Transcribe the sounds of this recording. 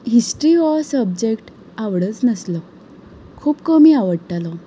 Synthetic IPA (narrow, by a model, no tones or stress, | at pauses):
ɦisʈɾiɔsəbd͡ʑekʈ | aʋɽət͡snəslɔ | kʰuːpkəmiːaʋəɽʈalɔ